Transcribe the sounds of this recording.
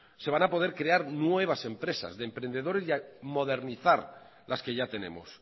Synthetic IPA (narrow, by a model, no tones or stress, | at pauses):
se̞β̞anapo̞ð̞eɾkɾeaɾnwe̞β̞ase̞mpɾe̞sa̰zðempɾe̞nd̪e̞ð̞o̞ɾesjamo̞ðe̞ɾniθaɾ | lʔaske̞ʝat̪e̞ne̞̰mo̰s